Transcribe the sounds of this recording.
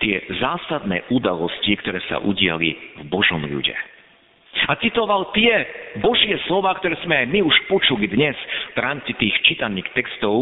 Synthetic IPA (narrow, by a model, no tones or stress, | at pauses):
t̪ɪɛzaːsad̪nɛ̰ːʔud̪alɔscikt̪ɔɾɛːsa̰ʔuɟɪa̰lḭvbɔʒɔmʎṵɟɛ̰ | at͡sit̪ɔʋalt̪ɪɛbɔʒɪɛslɔʋaːkt̪ɔɾɛːz̥mɛajmiuʃpɔt͡ʃulid̪ɲɛsvɾaːmt͡sit̪iːxt͡ʃit̪aniːxt̪ɛkst̪ɔʊ